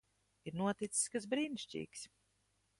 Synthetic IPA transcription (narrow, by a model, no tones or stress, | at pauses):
iɾnuɔt̪it̪si̥skaz̬bɾiːniʃt͡ʃḭːks